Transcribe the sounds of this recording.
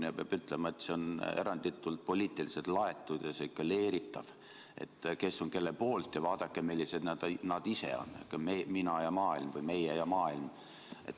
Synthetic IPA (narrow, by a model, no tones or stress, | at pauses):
ɑpeɑb̥yt̪ːˑle̞mɑe̞t̪se̞o̞ne̞̰ɾɑnd̪̥it̪ːˑult̪̚po̞lʲiːt̪ːˑilise̞t̪lɑe̞t̪ːˑud̪̥jɑseikːɑle̞ːɾit̪ːˑɑv | e̞̰t̪ːke̞so̞ŋke̞lːelpo̞ːlt̪ˑjɑvɑːd̪̥ɑkːemilːise̞d̪̥næd̪̥ɑnɑd̪̥ise̞̰o̞̰n̰ːkːɑeminɑjɑmɑːilmvɨjme̞jejɑmɑːilm | ʔe̞̰t̪